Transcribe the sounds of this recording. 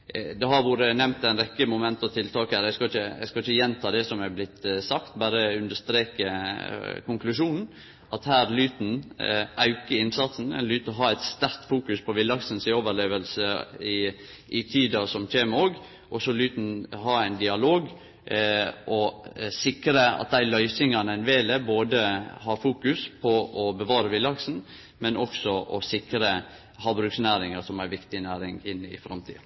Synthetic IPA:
d̪ɛhɑɾʋuːɾənɛmt̪æɪnɾɛkːəmʊmɛnt̪ɔt̪ʰɪlt̪ʰɑːkæːɾæɪskɑɪçəæ̰ɪskɑɪçəjɛnt̪ʰɑːd̪ɛsɔmæblɪt̪sɑkt̪bæːɾəʉnd̪əʂst̪ɾeːkə | kʰʊŋklʉʂuːnn̩ | ɑt̪hæːɾlyːt̪n̩ʔɑʉkəɾɪnsɑt̪sn̩ɛ̰nlyːt̪əɔɦɑːæɪt̪st̪æɾt̪fuːkʉspʰɔʋɪlːɑksənsɪoːʋəɾɭeːʋəlsəɪ | ʔɪt̪ʰiːd̪ɑsɔmçeːməoːɡ | ʔɔsɔlyːt̪n̩ɦɑæɪnd̪ɪɑloːɡ | ʔɔsɪkɾəɑ̰t̪̚d̪æɪlœʏsɪŋɑnɛnʋeːləboːd̪əhɑɾfuːkʉspʰɔʔɔbəʋɑːɾəʋɪlːɑksn̩ | mɛnʔɔksɔʔɔsɪkɾə | hɑːbɾʉːksnæːɾɪŋəsɔmæɾʋɪkt̪ɪnæːɾɪŋɪnːɪ̰fɾɑmt̪ʰḭːɑ

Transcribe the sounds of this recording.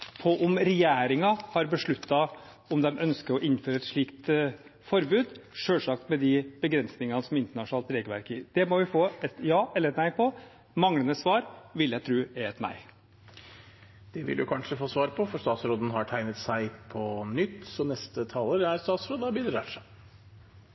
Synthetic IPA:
pʰɔʔʊmɾɛjæːɾɪŋɑhɑɾbəʂɭʉt̪ːɑ | ɔmd̪ɛmœnskəɾɔʔɪnføːɾəɛt̪ʂɭiːkt̪fɔɾbʉːd̪ʂøːlʂɑk̚t̪mɛd̪ɪbəɡɾɛnsnɪŋɑnəsɔmɪnt̪əɳɑʂʊnɑːlt̪ɾeːɡəlʋæ̰ɾkɪd̪̥ɛmɔʋɪfoːɛt̪jɑːʔɛlːəɾɛt̪næɪpʰɔ | mɑŋlənəsʋɑːɾʋɪljæɡt̪ʰɾʉːæɛt̪næ̰ɪ | d̪̥ɛʋɪ̰ljʊ̰kʰɑnʂəfoːsʋɑːɾpʰɔfɔɾst̪ɑːt̪sɾoːd̪n̩ɦɑʈʰæɪnət̪sæɪpʰɔnʏt̪ːsɔnɛst̪ət̪ʰɑːləɾæɾst̪ɑːt̪sɾoːd̪əɑbid̪ɾɑːʂæɪ

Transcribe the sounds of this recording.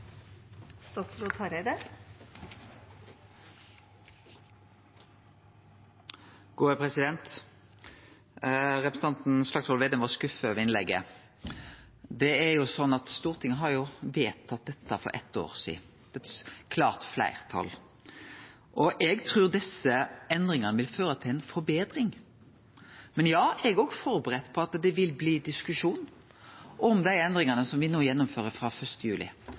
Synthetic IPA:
st̪ɑsɾuːd̪hɑɾæɪd̪əɾ | ɡ̥uːəpʰʁɛsɪd̪ɛnt̪ | ʁɛpɾəsn̩ɑnt̪n̩slɑksɔlʋeːd̪eːməʁskʉfəʋɛɪnlɛɡːə | d̪ɛæjʊsɔnːɑt̪st̪uːʁt̪ʰɪŋːəɦɑʁjʊʋeːt̪ʰːɑt̪̚d̪ɛt̪ʰːəfɔ̰ɾʔɛ̰t̪ːo̰ːɾsḭː | d̪̥ɛt̪kʰlɑːʁt̪flæ̰ɪʁt̪ʰɑ̰lː | ʔɔʔɛɡt̪ʰɾʉːɾd̪ɪsəɛnd̪ɾɪŋɑnəʋɪlføːɾət̪ʰɪlɛɪnfɔɾbeːd̪ɾɪŋ | mɛnjɑːɛɡɾɔɡfɔɾbəɾɛt̪ːpʰɔɑt̪d̪ɛʋɪlbliːd̪ɪskʉʂuːn | ʔɔmd̪æɪɛnd̪ɾɪŋɑnəsɔmʋɪnoːjɛnːɔmføːɾəfʁɑfœst̪əjʉːlɪ̰

